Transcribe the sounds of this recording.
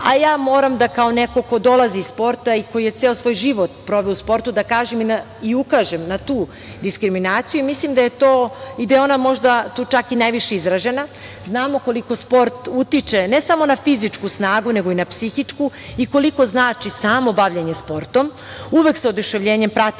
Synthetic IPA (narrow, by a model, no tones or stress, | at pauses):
ajaːmo̞ːɾamd̪akao̞neko̞ko̞d̪o̞lˠaziːsspo̞ɾt̪aiko̞jije̞t̪seosʋo̞ːjʒiʋot̪̚pɾo̞ʋeouspo̞ɾt̪ud̪akaːʒemina | iukaːʒemnat̪uː | d̪iskɾiminaːt̪sijuimislimd̪aje̞t̪o̞ːid̪ajeo̞namo̞ʒd̪at̪uːt͡ʃakinajʋiʃeizɾaʒe̞na | znaːmo̞ko̞liko̞spo̞ɾt̪ut̪it͡ʃe̞nesamo̞nafizit͡ʃkusnaːɡune̞ɡo̞inapsixit͡ʂkuiko̞liko̞znaːt͡ʃisaːmo̞baʋʎeɲespo̞ɾt̪om | uʋe̞kseod̪uʃe̞ʋʎeːɲempɾat̪i